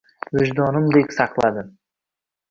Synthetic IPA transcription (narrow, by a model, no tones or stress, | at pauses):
wɵʒd̪onəmd̪ekʲsɑqlˠɑd̪ə